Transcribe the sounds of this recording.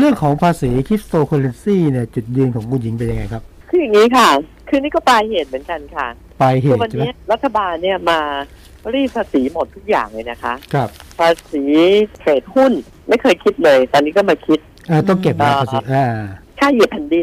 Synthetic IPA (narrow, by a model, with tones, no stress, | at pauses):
ɾɯ˥˩əŋkʰɔː˩˦ŋpʰaː˧siː˩˦kʰɾi˦˥p̚t̪oː˧kʰo˧le˧nsiː˥˩ni˥˩ɐt͡ɕu˨˩t̪̚jɯ˧nkʰɔː˩˦ŋmuː˧nji˩˦ŋpe˧nja˧ŋa˧jkʰa˦˥p̚kʰɯː˧ja˨˩ŋːiː˦˥kʰa˥˩ | kʰɯː˧niː˥˩kɔ˥˩paː˧jheː˨˩t̪̚mɯ˩˦ənka˧nkʰa˥˩ | paː˧jɦeː˨˧˥wa˧nt͡ɕʰeː˧m˦˥ɐɾa˦˥t̪ʰːa˧baː˧nːi˥˩ɐmaː˧ | ɾiː˥˩pʰːaː˧siː˩˦mo˨˩t̪ʰːu˦˥k̚ja̰ː˨˩ŋlɤː˧˩jna˦˥kʰa˦˥ʔkʰɾa˦˥˩p̚pʰaː˧siː˩˦kʰeː˨˩t̪̚hu˥˩n | ma˥˩jkʰɤː˧jkʰi˦˥t̪̚lɤː˧jt̪ɔː˧nːiː˦˥kɔː˥˩maː˧kʰi˦˥t̪̚ | ʔaː˧˩t̪̬ɔ˥˩ŋke˨˩p̚ːaː˧paː˧siː˧˩˦ʔaː˧kʰaː˥˩ji˨˩p̪̚pʰa˧ndi˧